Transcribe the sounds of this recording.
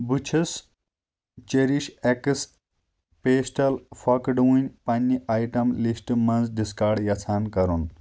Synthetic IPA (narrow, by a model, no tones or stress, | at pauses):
but͡ʃʰis | t͡ʃeɾiʃekɨs | peːsʈɐlfɐkɖuːnʲpɐnʲːiʔaːjʈɐmlisʈɨmɐnzɖiskaɖjɐt͡sʰaːnkɐɾun